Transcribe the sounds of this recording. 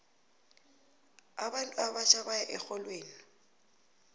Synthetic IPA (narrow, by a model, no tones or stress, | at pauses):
abalabat͡ʃʼabajaʔɛk͡xɔlweːli